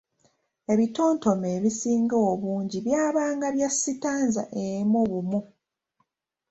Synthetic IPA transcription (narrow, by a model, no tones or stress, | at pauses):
e̞βito̞ːnto̞meːβisiːŋɡaoβuːɲɟiβjaːβaːŋɡaβjasːitaːnza̰ʔemuβumu